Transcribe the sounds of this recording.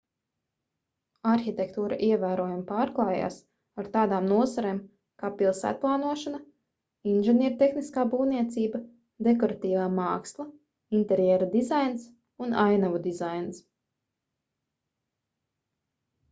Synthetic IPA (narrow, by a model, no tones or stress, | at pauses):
aɾxit̪ʲɛkt̪uːɾa̰ʔiɛvæːɾuɔjumpaːɾklˠɑːja̰ːs | aɾt̪aːd̪aːmnuɔzaɾeːm | kaːpilˠsæ̰ːt̪̚plˠaːnuɔʃana | inʒɛnjɛːɾt̪exniskaːbuːvniɛt̪siːba | d̪ekɔɾat̪iːvaːmaːkslˠa | int̪ɛɾjɛːɾad̪izajns | unajnavud̪izajns